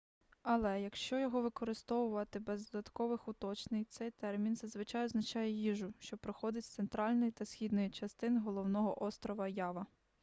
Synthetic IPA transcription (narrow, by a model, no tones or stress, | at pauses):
ɐlˠɛjɐkʃt͡ʃɔjɔɦɔʋɪkɔɾɪst̪ɔʋʊʋɐt̪ɪbɛzd̪ɔd̪ɐt̪kɔʋɪxʊt̪ɔt͡ʃnɪjt̪sɛjt̪ɛrmʲinzɐzʋɪt͡ʃɑjɔznɐt͡ʃɑjɛjiʒʊʃt͡ʃɔpɾɪxɔd̪ɪtʲsent̪ɾɑlʲnɔjt̪ɐsxʲid̪nɔjit͡ʃɐst̪ɪnɦɔlˠɔwnɔɦɔʔɔst̪ɾɔʋɐjɑʋɐ